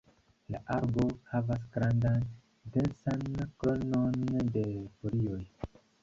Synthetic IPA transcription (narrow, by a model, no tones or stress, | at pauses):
laʔaɾbo̞havas̬ɡɾandan | densankononde̞folio̞j